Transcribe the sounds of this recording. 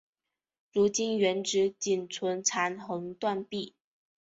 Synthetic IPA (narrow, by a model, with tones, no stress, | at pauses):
ɻu˧˥t͡ɕi˥nɥɛ˧˥nʈ͡ʂɻ̩˧˥t͡ɕi˨˩nt͡sʰwə˧˥nʈ͡ʂʰa˧˥nxɤ˧˥ŋt̪wa˥˧npi˥˩